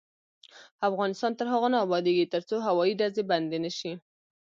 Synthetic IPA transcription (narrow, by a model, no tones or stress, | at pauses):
afɣɑnɪst̪ɑnt̪əɾɦaɣonɑːbɑd̪eɡit̪əɾt͡soɦawɑjiɖazeband̪enəʃi